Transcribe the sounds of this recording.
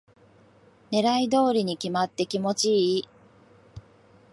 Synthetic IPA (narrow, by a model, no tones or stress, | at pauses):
ne̞ɾaid̪o̞ːɾʲiɲ̟ikʲimat̪ːe̞kʲimo̞t͡ɕi